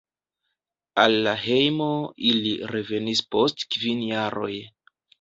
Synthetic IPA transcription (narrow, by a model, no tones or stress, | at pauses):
alːaɦe̞jmo̞iliɾe̞ve̞nispo̞stkvinjaɾo̞̰j